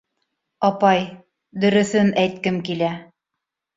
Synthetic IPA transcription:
ɑpɑj | d̪ɵ̆ɾɵ̆θɘnæjt̪̚kɘmkilæ

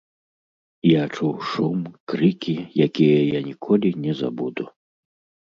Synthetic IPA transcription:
jat͡ʂuwʂumkɾɨkʲijakʲijɐjanʲikʰɔlʲinʲɛza̰bud̪u

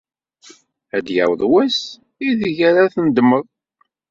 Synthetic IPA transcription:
æd̪ja̰wðˤwæs | iðʝæɾaθənd̪məðˤ

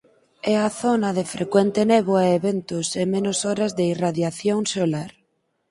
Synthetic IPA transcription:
ɛaθonaðefɾekwent̪eneβoaeβent̪osemenosoɾazðeiraðjaθjoŋsolaɾ

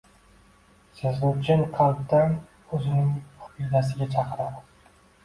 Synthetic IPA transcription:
sɪzlut͡ʃɪnqʰɑlˠt̪ːaŋ | ɵzɪnɪŋʊ̥pijd̪as̬ɪɡʲat͡ʃʰɑqɨɾad̪ɪ

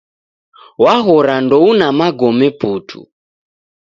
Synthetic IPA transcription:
waɦɔɾandɔunamaɡɔmɛputʰṵ

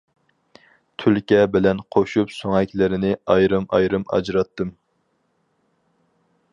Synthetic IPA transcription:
t̪ʰylkʲɛbɪlɛnqʰoʃupsoŋɛkʲlɪɾɪnɪɑjɾɨmɑ̰jɾɨmɑ̰d͡ʒɾɑt̪ːɨm

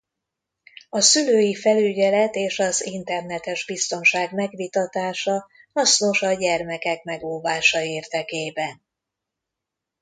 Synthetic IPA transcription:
ɒsyløːjifɛlyɟɛlɛt̪eːʃɒzint̪ɛrnɛt̪ɛʒbist̪o̞nʃaːɡmɛɡʋit̪ɒt̪aːʃɒ | hɒsno̞ʃɒɟɛrmɛkɛkmɛɡoːvaːʃɒeːrd̪ɛkeːbɛn

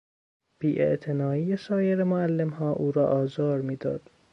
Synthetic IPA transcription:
b̥iːʔḛʔt̪ʰenɒːiːjesɒːjeɾemoælːe̞mhɒːʔuːɾɒːʔɒːzɒːɾmiːd̪ɒ̰ːd̪̥

